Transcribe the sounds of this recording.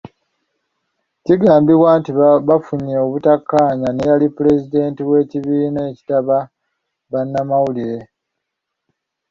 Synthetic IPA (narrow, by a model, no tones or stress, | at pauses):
ciɡaːmbiβwantiβafuɲeoβutakːaːɲanejalipule̞zide̞ːntiβwe̞ːciβiːneːci̥taβa | βanːamawuliɾe̞